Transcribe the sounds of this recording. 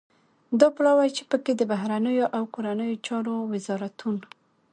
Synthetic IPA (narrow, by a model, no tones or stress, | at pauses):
d̪ɑplɑwajt͡ʃepəked̪əbaɦɾanəjoʔawkoɾanəjot͡ʃɑɾowɪzɑɾat̪un